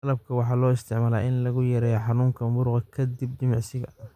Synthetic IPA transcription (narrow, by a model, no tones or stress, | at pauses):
lɐb̚kʰɐwɑħɑːlɔːɪst̪ʰɪʕmaːla̰ːʔɪnlɐɣʊjɐɾɛjɔħɑnuːŋkʰɐbʊɾʊqɐkʰɐd̪ib̚d̪ɪmɑʕsɪɣɐ̰